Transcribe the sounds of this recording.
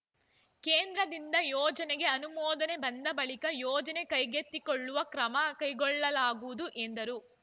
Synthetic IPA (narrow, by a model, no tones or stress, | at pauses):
keːnd̪ɾɐd̪ind̪ɐjɔːd͡ʒɐneɡe̞ɐnumɔːd̪ɐne̞bɐnd̪ɐbɐɭikɐjɔːd͡ʒɐnekɐjɡet̪ːikɔɭːuʋɐkɾɐmɐkɐjɡɔɭːɐlaːɡuʋud̪uʔend̪ɐɾu